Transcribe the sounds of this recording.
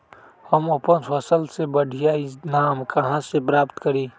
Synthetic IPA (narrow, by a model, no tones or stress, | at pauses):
həməpənsəsəlsebəɽʱijaɪsnaːmkɐɦãsepɾaːpt̪kəɾiː